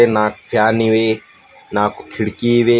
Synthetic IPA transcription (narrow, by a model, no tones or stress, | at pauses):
enãːkfʰjaːniʋeː | nãːkokʰɪɽkiʋeː